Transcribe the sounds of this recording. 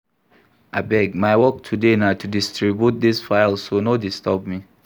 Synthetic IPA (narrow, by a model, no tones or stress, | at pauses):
abɛɡ̚maɪwɔk̚tʰudenatʰudistɹibjut̚d̪isfaɪlsonodistɔb̚mi